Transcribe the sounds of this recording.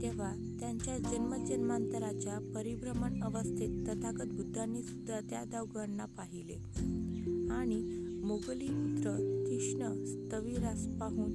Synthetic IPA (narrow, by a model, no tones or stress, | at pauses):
t̪eʋ̤a | t̪jaɲt͡ɕjad͡ʑənməd͡ʑənmant̪əɾat͡ɕjapəɾibɾəməɳəʋəst̪ʰit̪ːət̪ʰakət̪̚bʱud̪ʱːanːisud̪ʱːat̪ja̰d̪aʋɡəɾɳapaɦilḛ | aɽ̃imoɡliput̪ɾək̪iʂɳəst̪əʋiɾaspaɦuːn